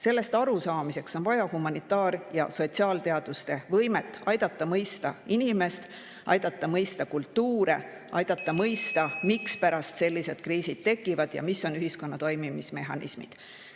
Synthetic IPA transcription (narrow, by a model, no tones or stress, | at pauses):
se̞lːe̞st̪ɑɾusɑːmise̞kso̞nvɑjɑhumɑnit̪ːˑɑːɾjɑ̰so̞t̪siɑːlt̪e̞ɑd̪̥ust̪e̞vɤjme̞t̪ːˑɑjd̪̥ɑt̪ːˑɑmɤjst̪ɑinime̞st̪ | ʔɑ̰jd̪̥ɑt̪ːˑɑmɤjst̪ɑkult̪ːuːɾe̞̰ | ʔɑjd̪̥ɑt̪ˑːɑmɤjst̪ɑmikspæɾɑst̪se̞lːise̞d̥̪̚kɾiːsid̪̥̚t̪e̞kːˑivɑd̪̥jɑ̰miso̞nyɦisko̞nːɑt̪o̞jmimisme̞ɦɑnʔḭsmḭd̪̥